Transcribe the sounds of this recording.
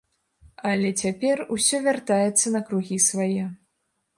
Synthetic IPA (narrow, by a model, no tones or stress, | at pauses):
ɐlʲɛt͡sʲapʲɛrusʲɔvʲart̪ajɛt̪sːɐnɐkɾuɣʲisvajɛ